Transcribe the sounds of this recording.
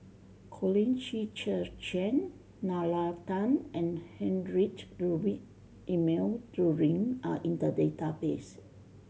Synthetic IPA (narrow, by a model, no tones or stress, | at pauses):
kʰɔlĩnt͡ʃit͡ʃət͡ʃɛ̃nː | alat̪ãnɛ̃nhɛ̃nɹitɹubi | imeldɹuɹĩŋaʔĩnt̪ədet̪abes